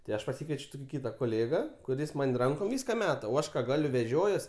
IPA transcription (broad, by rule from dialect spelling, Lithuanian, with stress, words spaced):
tɐɪ ˈɐʃ pɐˈsʲɪkʋʲiɛt͡ʃʲ ˈtʊkʲɪ ˈkʲiːtɐ koːˈlʲeːɡɐ kʊˈrʲɪs ˈmɐnʲ ˈrɐŋkoːm ˈʋʲiːskɐ ˈmʲæːtɐ oː ˈɐʃ kɐ ˈɡɑːlʲʊ ʋʲɛˈʒʲoːjuɔs